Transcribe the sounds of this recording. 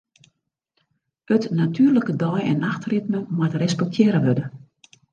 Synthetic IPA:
ətnatʰyːrləkədɔjɛnaxtrit̚məmwatrɛspɛk̚tʰjɪːɾəʋødə

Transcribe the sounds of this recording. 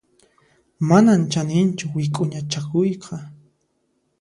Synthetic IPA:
manant͡ʃanɪnt͡ʃʊwɪkʼʊɲat͡ʃakʊjqʰɑ

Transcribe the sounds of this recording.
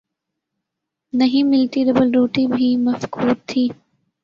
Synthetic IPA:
nɐɦĩmɪlt̪iɾɐbəlɾoːʈibʱimɐfkʰuːd̪̚t̪ʰːiː

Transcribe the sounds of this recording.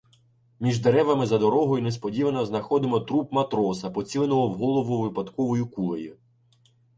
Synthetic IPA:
mʲiʒd̪eɾɛʋɐmɪzɐd̪ɔɾɔɦɔjunespɔdʲiʋɐnɐznɐxɔd̪ɪmɔt̪ɾupmɐt̪ɾɔsɐpɔt͡sʲilˠenɔɦɔwɦɔlˠɔʋʊʋɪpɐd̪kɔʋɔjikulˠɐjʊ

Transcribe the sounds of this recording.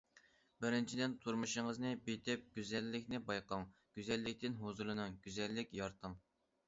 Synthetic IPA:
bɪɾɪnt͡ʃʰid̪ɪnt̪ʰuɾmuʃəŋəznɨbet̪ʰɪp̚ɡ̥ʲyzɛlːɪkʲnɪbɑjqɑŋɡ̥ʲyzɛlːɪkʲt̪ɪnɦozulˠɨnɨŋɡʲyzɛlːɪkʲjɑɾt̪ʰəŋ

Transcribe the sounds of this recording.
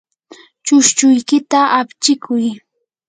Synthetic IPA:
t͡ʃʊʃt͡ʃʊjkɪt̪aʔapt͡ʃɪkʰʊj

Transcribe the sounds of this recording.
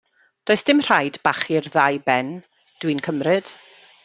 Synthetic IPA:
d̥oɨsd̥ɪmr̥ajdbaχɪrðajbɛn | d̥winkʰəmrɨd̥

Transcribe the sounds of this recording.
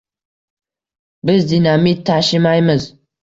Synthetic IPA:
bɪzd̪inamit̪ʰːaʃɪmajmɪz

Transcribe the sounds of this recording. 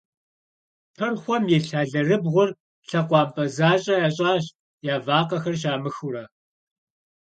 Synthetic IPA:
pʰɐrχʷɔmjɛɬaːɮɐrɨbʁʷʊr | ɬɐqʷɑːmpʼɐzaːɕʼɐjaːɕʼaːɕ | jaːvaːqɐxɐrɕ̬aːmɨxʊɾɐ

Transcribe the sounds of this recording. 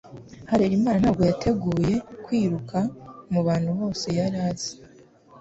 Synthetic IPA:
haɾeɾimaːnanaːbɡo̞jatʰe̞ɡuːje̞kwiːɾukʰamuβaːnhuβo̞ːse̞jaɾaːz̥e̥

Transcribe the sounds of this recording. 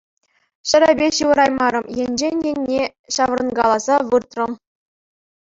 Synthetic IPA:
ɕɘ̆ɾʲæbʲeɕɯʋɤɾɑjmɑɾɤ̆mjenʲd͡ʑenʲjenʲːe | ɕɑʋ̆rɤ̆nɡɑlˠɑzɑʋɯrt̪rɤ̆m

